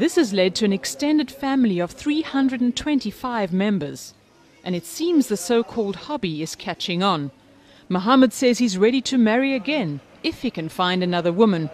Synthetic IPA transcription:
ðɪshɨzlɛd̚tʰɨɨ̃nɨkstɛ̃ndɨd̥fæ̃ml̩ˠiʌv̥θɹihʌ̃ndɹɨɾn̩tʰw̥ɛ̃ntifaɪvmɛ̃mbə˞z̥ | ʔɨ̃ñɨtsĩmzðɨsoʊkʰɔlˠd̚hɑbiɨz̥kʰæt͡ʃɪ̃ŋə̃n | məɦɑmɨd̥sɛz̥hizɹɛɾiɾɨmɛɹiɨɡɛ̃n | ɨfhikɨ̃nfãɪ̃ndɨnʌðə˞wʊmɨ̃n

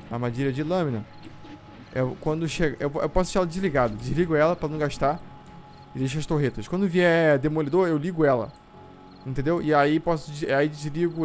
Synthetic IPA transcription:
ɐmad͡ʒiɾɐd͡ʒɪlɐ̃mĩnɐ | ɛkwɐ̃nd̪ʊʃeɡɐʔewewpɔs̬ʊ̥ʃiɾaɛlɐd͡ʒɪzliɡad̪ɐd͡ʒɪzliɡʊɛlɐpɾɐnɐ̃w̃ɡaʃt̪a | ɪd̪ejʃ̬ʊɐst̪oɦet̪ɐʃkw̃nd̪ʊviɛd̪emolid̪oɾewliɡʊɛlɐ̰ | ĩnt̪ẽnd̪ewʔɪaipɔsʊd͡ʒizaid͡ʒɪzliɡʊ

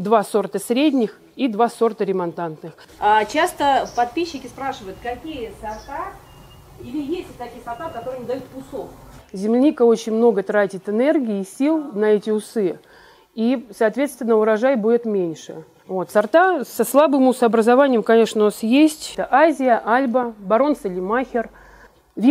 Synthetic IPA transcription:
d̪vaso̞rt̪əsʲɾʲedʲnʲɪx | id̪vaso̞rt̪əɾʲɪmɐnt̪ant̪nɨx | at͡ɕast̪əpɐt̪̚pʲiɕːɪkʲɪspɾaʂɨvəʊt̪kɐkʲijəsɐrt̪a | ilʲɪjesʲtʲɪt̪ɐkʲijəsɐrt̪akɐt̪oɾɨjmd̪ɐjut̪̚pʊsokzʲɪmlʲɪnʲikəo̞t͡ɕɪnʲmno̞ɡət̪ɾatʲɪt̪ɨnerɡʲɪːsʲilˠnɐɛtʲɪʊsɨ | isɐːt̪vʲe̞t̪st̪vʲɪnːəʊɾɐʐajbudʲɪt̪mʲenʲʂɨ̰ | vo̞t̪sɐrt̪asɐslˠabɨmʊsəɐbɾəzɐvanʲɪjəmkɐnʲe̞ʂnəasjesʲtʲt̪əʔazʲɪjəʔalʲbəbɐɾo̞nsɨlʲɪmaxʲɪr | vʲi

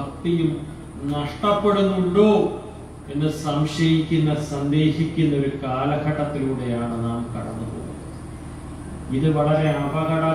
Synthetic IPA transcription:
ɐkt̪ijum | nɐʂʈɐpːe̞ɽunːuɳɖoː | e̞nːesɐmɕɐjikʲːunːɐsɐnd̪e̞ːhikʲːunːɐo̞ɾukaːlɐɡʰʱɐʈːɐt̪ːiluːɽe̞jaːɳɨnaːmkɐɽɐ̰nːupoṵð̰ | iðɨʋɐɭɐɾe̞ɐbɐɣɐɽaː

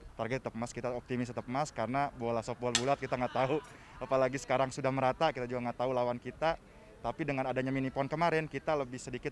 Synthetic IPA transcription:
t̪arɡɛt̪̚t̪ːəpmaskit̪aop̚t̪imɪs̬t̪əp̚əmaskaɾənabolasopualbulat̪̚kit̪aŋɡaʔt̪au | apalaɡisə̥kaɾaŋsudahməɾat̪akit̪ad͡ʒuɡaŋɡaʔt̪aulawankit̪a | t̪apidəŋanadaɲaminipɔnkəmaɾɛnkit̪aləbɪhsədikɪt̪̚

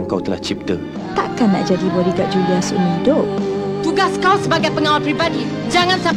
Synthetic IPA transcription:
ŋkawt̪əla̰ht͡ʃip̚t̪ə | t̪a̰kanːa̰ʔd͡ʒadiboɾiɡaʔ̚d͡ʒuliasəəəŋidʊp̚t̪uɡaskawsəbaɡajpəŋawalpɾibadi | d͡ʒaŋãnsa

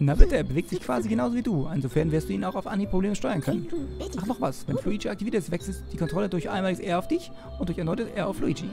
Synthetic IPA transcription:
nabɪtəbəveːktz̥ɪçkv̥aːziɡənaʊzoviːduːʔɪnzofɛɐnvɪɐstd̥uːiːnaʊaʊfʔa̰nipʁ̥obleːməʃtɔʏɐnkʰœnənaχnɔχvasvɛnfluid͡ʒiak̚tʰivitʰɛtstv̥ɛksl̩stːd̥iːkʰɔntʁ̥ɔlədʊɐçʔaɪnmaːlɪɡəsʔeːɐaʊfd̥ɪç | ʔʊntd̥ʊɐçɛɐnɔʏtəsʔḛːɐaʊfluid͡ʒḭ

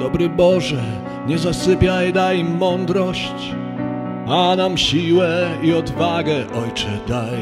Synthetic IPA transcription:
d̪ɔbɾɘbɔʐɛ | ɲɛzasɘpʲjajd̪ajmɔnd̪ɾɔɕt͡ɕ | anamɕiwɛiɔd̪vaɡɛʔɔjt͡ʂɛd̪aj

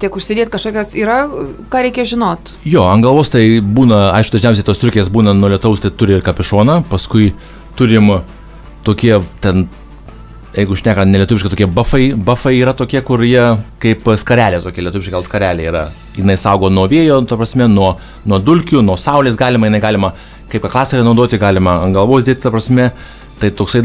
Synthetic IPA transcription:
t̪ʲiɛkʊʃʲsʲɪdʲeːt̪ʲkɐʃkoːkʲosiːɾɐkɑːɾʲɛɪkʲɛʒʲɪnoːt̪ | joːɐnɡɐlˠʋoːst̪ɐɪbuːnɐɐ̰ɪʃkʊd̪ɐʒʲnʲɛʊsʲeɪt̪oːst̪ʲɾʊkʲeːsbuːnɐnuɔlʲɛt̪ɐʊst̪ɐɪt̪ʊɾʲɪɪrkɐpʲɪʃoːnɐpɐskʊɪ | t̪ʊɾʲɪm | t̪oːkʲiɛt̪ʲɛn | jɛɪɡʊʃʲnʲæːkɐnʲɛlʲiɛt̪ʊʋʲɪʃkɪtoːkʲiɛbɐfɐɪbɐfɐɪiːɾɐt̪oːkʲiɛkʊɾjiɛkɐɪpskɐɾʲæːlʲeːt̪oːkʲiɛlʲiɛt̪ʊʋʲɪʃkʲɪɡɐlˠskɐɾʲæːlʲeːiːɾɐ | jɪnɐɪsɐʊɡoːnuɔʋʲeɛjoːt̪ɐpɾɐsʲmʲɛnuɔ | nuɔd̪ʊlʲkʲʊnuɔsɐʊlʲeːsɡɑːlʲɪmɐjɪnɐɪɡɑːlʲɪmɐ | kɐɪpkɐklˠɑːsʲɛɾʲɐnɐʊd̪oːt̪ʲɪɡɑːlʲɪmɐɐŋɡɐlˠʋoːsdʲiɛt̪ʲɪt̪ɐpɾɐsʲmʲɛ | t̪ɐɪt̪oːksɐɪ

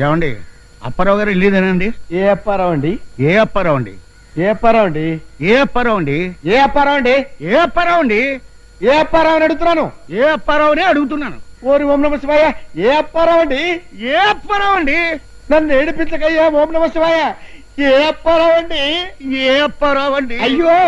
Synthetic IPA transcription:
ɛːʋɐɳɖḭ | ɐ̰pːɐɾɐːʋɡaːɾilːiːd̪ɐnɐɳɖieːɐpːɐɾaːʋɐɳɖieːɐpːɐɾaːʋɐɳɖḭ | eːɐpːɐɾaːʋɐɳɖieːɐpːɐɾaːʋɐɳɖieːɐpːɐɾaːʋɐɳɖieːɐpːɐɾaːʋɐɳɖi | eːɐpːɐɾaːʋɐniɐɽuɡut̪unːaːnueːɐpːɐɾaːʋɐneːɐɽuɡut̪unːaːnṵoːɾiʋoːmnɐmɐsiʋaːjaeːɐpːɐɾaːʋɐɳɖieːɐpːɐɾaːʋɐɳɖi | nɐnːeːɽipit͡ʃɐkɐjaːʋoːmnɐmɐsiʋaːja | eːɐpːɐɾaːʋɐɳɖieːɐpːɐɾaːʋɐɳɖiɐjːoː

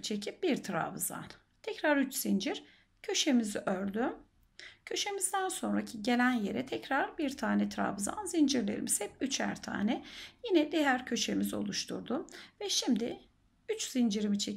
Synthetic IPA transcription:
t͡ʃʰe̞cʰip̚biɾt̪ʰɾa̰vɯza̰n | t̪ʰɛcɾaɾyt͡ʃz̥ind͡ʒiɾ̥ | cʰø̞ʃe̞miziʔøɾd̪ym | cʰø̞ʃe̞mizd̪ænso̞nɾacʰiɟe̞lʲænjeɾɛt̪ʰɛcɾaɾbiɾt̪ʰaːnɛt̪ʰɾa̰vɯza̰nzind͡ʒiɾlʲe̞̰ɾimiz̥hɛp̚yt͡ʃʰæ̰ɾt̪ʰa̰ːnɛjinɛd̪ejæɾcʰø̞ʃe̞mizo̞̰lˠuʃt̪ʰṵɾd̪umvɛʃimd̪ɪ | yt͡ʃz̥ind͡ʒiɾimit͡ʃʰe

